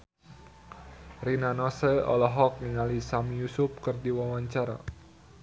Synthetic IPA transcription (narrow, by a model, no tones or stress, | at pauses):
rinanɔsəɔ̰lɔɦɔk̚niŋalisamijusʊp̚kɨrdiwawaɲt͡ʃaɾa̰